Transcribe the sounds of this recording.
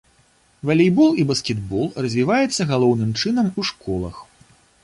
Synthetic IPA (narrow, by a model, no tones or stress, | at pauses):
vɐlʲijbɔlˠibɐskʲɛd̪bɔlˠrɐzʲvʲivajɛt̪sːɐɣalˠɔwnɨmt͡ʂɨnɐmuʂkɔlˠɐ̰x